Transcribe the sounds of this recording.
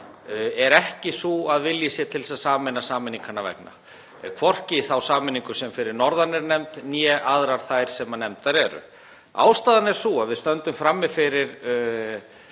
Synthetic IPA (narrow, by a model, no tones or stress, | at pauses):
ɛɾɛhcɪsuaðvɪljɪsjɛt̪ʰɪlsaðsaːmɛnasaːmɪniŋkanavɛ̰kna̰ | kʰvɔr̥cɪθawsaːmɪniŋkʏsɛmfɪɾɪɾnɔɾðanɛɾnɛmt̪njɛʔaðɾaɾ̥θajɾ̥sɛmanɛmt̪aɾɛːɾʏ̰ | a̰ːwst̪aːðanɛɾ̥suaðvɪðst̪œnt̪ʏmfɾamːɪfɪɾɪɾ̥